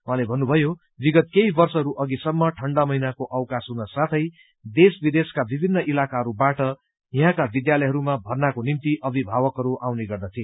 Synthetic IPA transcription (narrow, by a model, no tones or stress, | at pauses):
wɦãlebʱʌnːubʱʌjo | biɡʌt̪̚kejbʌrsʌɦʌɾuʔʌɡisʌmːʌʈʰʌɳɖamʌjnakoʔʌwkasɦunʌsãt̪ʰʌj | d̪esbid̪eskabibʱinːʌʔilakaɦʌɾubaʈʌ | iɦãkabid̪jalʌjɦʌɾumabʱʌrnakonimt̪iʔʌbʱibʱawʌkɦʌɾuʔawneɡʌrd̪ʌt̪ʰie